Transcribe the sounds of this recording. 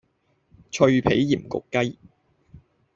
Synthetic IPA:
t͡ʃʰɵ˧ɥpʰe˨˥jːiː˨˩mkʊ̰˨kːɐ˥j

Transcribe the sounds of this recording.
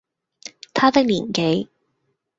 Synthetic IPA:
t̪ʰaː˥t̪ɪ˥k̚liː˨˩nke˨˥j

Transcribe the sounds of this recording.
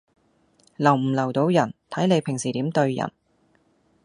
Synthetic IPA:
lɐ˨˩wm̩˨˩lɐ˨˩wt̪o˧wjɐ˨˩nt̪ʰɐ˨˥jne˨˧jpʰɪ˨˩ŋsiː˨˩t̪iː˨˥mt̪ɵ˧ɥjɐ̰˨˩n

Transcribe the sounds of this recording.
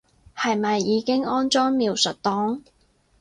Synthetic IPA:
hɐ˨jmɐ˨jːiː˨˧kɪ˥ŋɔː˥nt͡ʃɔː˥ŋmiː˨˧wsɵ˨t̚t̪ɔː˨˥ŋ

